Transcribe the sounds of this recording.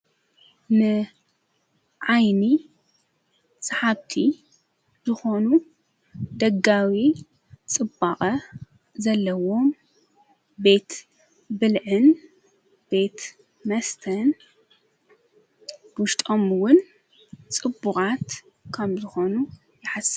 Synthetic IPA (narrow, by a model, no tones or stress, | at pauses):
nɨ | ʕajni | sʼaħabt̪ʰi | zɨxo̞nu | d̪ɐɡawi | t͡sʼɨbːaχʼɐ | zɐlːɐwom | be̞t̪ | bɨlʕɨn | b̥e̞t̪ | mɐst̪ʰɐn | bwʊʃt̪ʼo̞mɨwʊn | t͡sʼɨbːuxʼat̪ | kʰɐmzɨxo̞nu | jɪħas